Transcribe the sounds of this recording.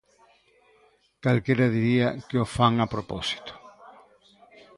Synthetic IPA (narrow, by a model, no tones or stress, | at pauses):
kalkeɾaðiɾiakeofaŋapɾopɔsi̥t̪o̥